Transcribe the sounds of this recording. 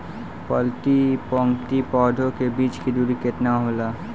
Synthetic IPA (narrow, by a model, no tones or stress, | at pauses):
pɔlt̪ipɔŋkt̪ipɔːd̪ʱokebiːt͡ʃkid̪uɾiket̪naɦola